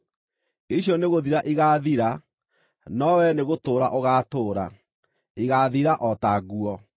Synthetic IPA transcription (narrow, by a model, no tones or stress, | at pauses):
iɕjɔneɣoðiɾaʔiɣaːðiɾa | nɔwɛneɣotoːɾaʔoɣaːtoːɾa̰ | iɣaðiɾaʔɔtaɣuɔ